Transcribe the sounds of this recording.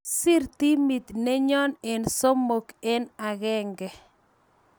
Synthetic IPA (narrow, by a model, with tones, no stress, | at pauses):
sɪ˦ɾt̪i˦mi˨t̪ne˦ɲɔ˦ne˨nso˦mo˨ke˦na˨ɣɛ˦ŋɡɛ˨